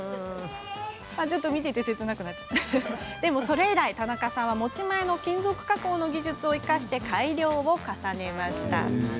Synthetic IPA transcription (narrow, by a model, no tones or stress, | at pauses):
mad͡ʑɨt̪ːo̞mʲit̪̬e̞t̪e̞se̞t͡sɨnakɯ̟nat͡ɕa | d̪̥e̞mo̞so̞ɾe̞iɾait̪anakasãɰ̃β̞amo̞t͡ɕimaeno̞kʲĩnzo̞kɯ̟̥kako̞ːno̞ɡʲiʑɨt͡sɨo̞ikaɕi̥t̪e̞kʰaiɾʲo̞ːβo̞kasane̞maɕi̥t̪a̰